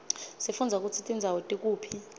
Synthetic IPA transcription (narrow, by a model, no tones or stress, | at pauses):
sefund͡zʱak̬ʼut͡sʰitʼind͡zʱawotʼik̬ʼuːpʰi